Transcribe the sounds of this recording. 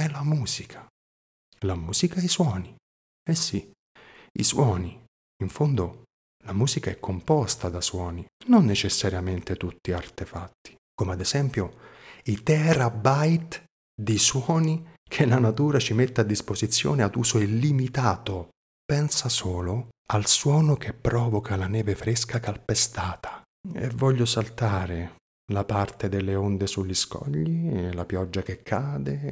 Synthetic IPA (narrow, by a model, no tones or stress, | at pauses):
ɛlamuːz̥ikʰḁ | lamuːz̥ikaiswɔːni | ɛsːi | ḭswɔːni | iɱfond̪o | lamuːzikaɛkʰːompɔst̪ad̪aswɔːninonːet͡ʃesːaɾjament̪et̪ut̪ːiart̪efat̪ːi̥ | komead̪ɛz̥ɛmpjoit̪ɛɾabajt̪ | d̪iswɔːnikʰelanat̪uːɾat͡ʃimet̪ːead̪ːispozit̪sːjɔ̰ːnead̪uːsoelːimit̪aːt̪ʊ | pɛnsasɔːlʊalswɔːnʊk̟ʰepːɾɔːvokʰalanɛːvefɾeskakalpest̪aːt̪ʰḁ | ḛvːɔʎːʊsalt̪aːɾɪ | lapart̪ed̪elːeond̪esuʎːiskɔ̰ʎːilapjɔd͡ʒːakekʰːaːd̪e